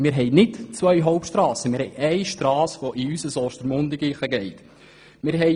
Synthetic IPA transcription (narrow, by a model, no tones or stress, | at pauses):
mɪːɾɦɛjnɪtt͡sʋœjɦɔʊp̚tʃtɾɑːsəmɪːɾhɛjʔɛɪʃtrɑːsʋoʔiysəsɔːʃt̪əɾmʊnd̪ɪɡiːχəɡɛɪt̪ | mɪːɾɦɛ